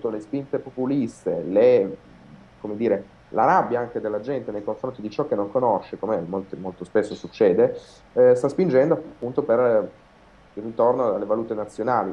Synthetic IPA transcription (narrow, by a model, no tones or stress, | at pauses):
t̪olespint̪epopulist̪ele | komed̪iːɾe | la̰ɾabːjaaŋk̟ed̪elːad͡ʒɛnt̪enejkoɱfɾont̪id̪it͡ʃɔk̟ːenːoŋkonoʃːekomemolt̪emolt̪ospesːosut͡ʃːɛːd̪e | st̪aspind͡ʒɛnd̪oapːunt̪oper | irːit̪ornoalːevaluːt̪enat̪sːjonaːli